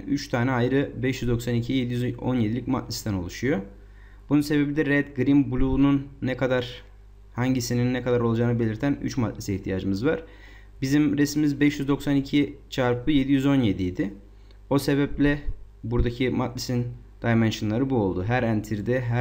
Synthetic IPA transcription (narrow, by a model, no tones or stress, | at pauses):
yt͡ʃt̪ʰaːnɛajɾɯbɛʃjyzd̪o̞ksanicʰije̞d̪ijyzo̞̰nje̞d̪ilʲicʲma̰t̪lʲisd̪æno̞lˠuʃujo̞ | bununse̞be̞bid̪ɛɾɛd̪ɡɾimbulʲˠununːɛkʰad̪aɾ | haɲɟisininːɛkʰad̪aɾo̞lˠad͡ʒaːnɯbe̞lʲiɾt̪ʰæny̰t͡ʃmat̪lʲɛsiiçt̪ʰijaːd͡ʒɯmɯzvaɾ̥ | bizimɾesimizbɛʃjyzd̪o̞ksanicʰit͡ʃʰaɾpʰɯje̞d̪ijyzo̞nje̞d̪ijd̪ɪ | o̞se̞βɛplʲɛ | buɾd̪acʰimat̪lʲisin | d̪̥ajmɛnʃɯnlˠaɾɯbuo̞lˠd̪uɦæɾænt̪ʰiɾd̪ɛɦæ